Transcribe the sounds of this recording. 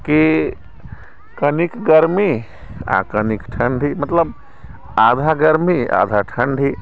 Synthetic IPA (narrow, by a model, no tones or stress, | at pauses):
ki | kɐnikɡəɾmi | a̰kənikʈʰɐɳɖʱimɐt̪ləb | aːd̪ʱaɡəɾmia̰ːd̪ʱaʈʰɐɳɖʱi